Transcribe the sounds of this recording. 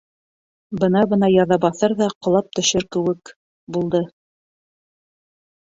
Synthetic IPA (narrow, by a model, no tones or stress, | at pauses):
bɤnɑbɤ̆nɑjɑðɑbɑθɤɾðɑqŏlˠɑp̚t̪ɵ̆ʃɘɾkɘ̆wɘk | bulˠd̪ɤ